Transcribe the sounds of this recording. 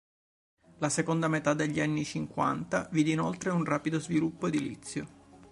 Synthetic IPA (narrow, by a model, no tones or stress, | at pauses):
lasekond̪amet̪ad̪eʎːianːit͡ʃiŋkwa̰nt̪aviːd̪iːnolt̪ɾeunraːpid̪ozvilupːoed̪ilḭt̪sːjo